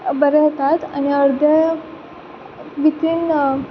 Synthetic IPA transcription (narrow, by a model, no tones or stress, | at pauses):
bəɾɛɦot̪at̪aɽ̃iəɾd̪e | ʋit̪iːn